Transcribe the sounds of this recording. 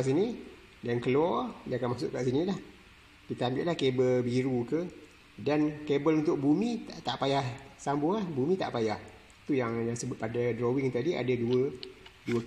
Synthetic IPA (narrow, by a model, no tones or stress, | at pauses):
aʔs̬ini | dankəlɔjãkanmasʊʔkaʔsinĩlah | kit̪aambɪʔlahkebəlbiɾukə | dankebəlunt̪ʊk̚bumĩt̪aʔt̪aʔpajahsambʊlahbumĩt̪a̰ʔpajah | t̪ujaŋjaŋsəbʊt̪̚padadɾowɪŋt̪adia̰daduəduə